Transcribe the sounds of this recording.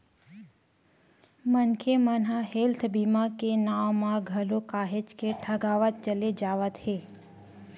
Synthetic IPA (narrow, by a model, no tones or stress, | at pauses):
mənkʰemənɦaɦelt̪ʰbimakenaʋmãɡʱəlokaɦet͡ʃkeʈʰəɡaʋət̪̚t͡ʃəled͡ʒaʋət̪he